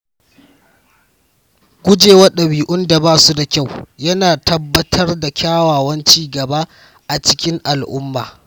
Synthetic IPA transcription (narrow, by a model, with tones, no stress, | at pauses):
ɡʷʊ˦d͡ʒeː˨wɐ˦ɗɐ˨wiː˨ʔʊ˦nda˨baː˦su˦da˨kʲa˦˨wjɐ˦naː˨tɐ˦bːɐ˦tʰɐ˦rda˨kʲaː˦waː˨wɐ˦nt͡ʃiː˦ɡɐ˨ba˦ | ʔa˨t͡ʃɪ̥˦kʲɪ˦ŋʔa˨lʔʊ˦mːa̰ː˨